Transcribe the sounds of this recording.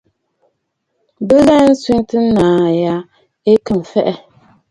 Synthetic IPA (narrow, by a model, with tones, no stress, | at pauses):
bɨ˦la˦n̩˦su˦n˦tɨ˦n˦naː˨ja˦ | e˦kɨ˨m˨fɛ˦ʔɛ˦